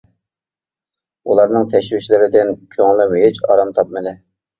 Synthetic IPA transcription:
ulˠɑɾnɨŋt̪ʰɛʃwɪʃlɪɾɪd̪ɪnkʲʰøŋlˠɪmuɦɪt͡ʃɑ̰ɾɑmt̪ʰɑp̚mɪd̪ɪ

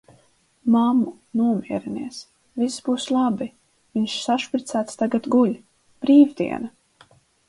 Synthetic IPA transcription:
mamu | nuɔmiɛɾiniɛs | visbuːslˠabi | viɲʃsaʃpɾit̪sæːt̪st̪aɡat̪ɡulʲ | b̥ɾiːvd̪ḭɛna

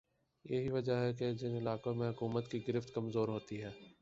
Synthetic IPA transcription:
jeɦiʋɐd͡ʒaɦɛked͡ʒɪnɪlaːkõmẽɦʊkuːmət̪kiɡɪɾɪft̪kɐmzoːɾɦoːt̪iɦɛː

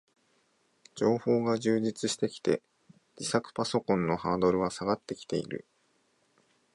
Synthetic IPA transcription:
d͡ʑo̞ːho̞ːɡaʑɨːʑit͡sɨɕi̥t̪e̞kʲi̥t̪e̞̰ | d͡ʑ̥isakɯ̟̥paso̞kõ̞nːo̞haːd̪o̞ɾɯ̟βasaɡat̪ːe̞kʲi̥t̪e̞̰ḭɾɯ̟̰

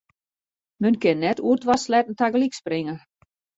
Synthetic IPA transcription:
mønkɪnːɛtuətʋaslɛtn̩taɡəliksprɪŋə

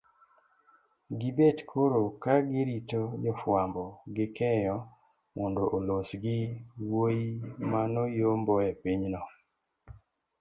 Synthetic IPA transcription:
ɡɪbetkʰoɾokaɡɪɾitod͡ʒɔfwambɔɡɪkɛjɔ | mɔndoʔolosɡɪwojimanɔjombɔɛpiɲnɔ

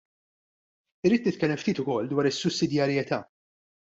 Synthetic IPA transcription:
ɪɾːiːt̪nɪt̪̚kɛlːɛmft̪iːt̪ʊkɔlːd̪wɐːɾɪsːʊsːɪd̪jɐɾjɛt̪ɐ̰ː

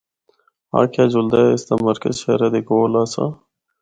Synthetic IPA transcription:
a̰ːkʰjaːd͡ʒʊld̪aːɪsd̪aːməɾkə̰zʃḛːɾaːd̪eːɡoːlaːsã̰ː

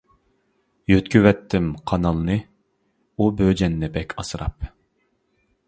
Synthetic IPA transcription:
jøt̪kʲʰywɛt̪ʰːɪmqʰɑnɑlˠɨnɨ | ubød͡ʒɛnːɪbɛkʲʰɑsɨɾɑ̰p̚

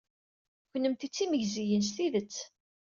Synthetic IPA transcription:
kənːəmt̪it͡sːiməʝzijəns̬θiðət͡sː

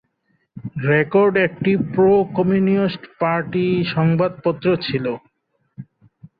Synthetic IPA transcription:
ɾekoɾɖek̚ʈipɾokomjuniisʈpaɾʈiʃɔŋbad̪̚pɔt̪ːɾot͡ɕʰilo

